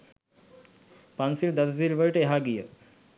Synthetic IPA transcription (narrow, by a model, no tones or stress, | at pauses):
pansild̪ɐd̪zilʋəɭʈeɦaɡijə